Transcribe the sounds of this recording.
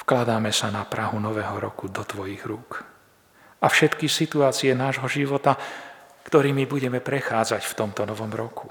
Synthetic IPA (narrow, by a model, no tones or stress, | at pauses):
fklad̪aːmɛsanapɾaɦunɔʋɛːɦɔɾɔ̰kud̪ɔt̪ʋɔjiɣɾuːk | ʔafʃɛt̪kisit̪uaːt͡siɛnaːʒɦɔʒiʋɔt̪akt̪ɔɾiːmibuɟɛmɛpɾɛxaːd͡zacft̪ɔmt̪ɔnɔʋɔmɾɔkʰu̥